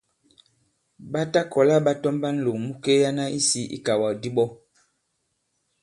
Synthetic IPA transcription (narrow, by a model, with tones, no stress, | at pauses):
ɓa˦ta˦kɔ˨la˦ɓa˦tɔ˦mba˦n̩˦˨lo˨mu˦ke˦ja˦na˦i˦si˦ḭ˦ka˨wa˨di˦ɓɔ˦